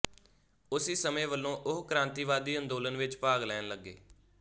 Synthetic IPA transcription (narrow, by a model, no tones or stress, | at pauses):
ʊsiːsəmẽːʋəlːõːʔʊɦkəɾãːnt̪iːʋaːd̪iːənd̪oːlənʋɪt͡ʃpaːɡlɛːnləɡːḛː